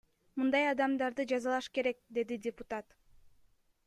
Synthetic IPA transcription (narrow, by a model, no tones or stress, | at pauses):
mɯnd̪ɑjɑd̪ɑmd̪ɑɾd̪ɯd͡ʒɑzɑlˠɑʃke̞ɾe̞k̚d̪e̞d̪idʲɪpʊt̪at̪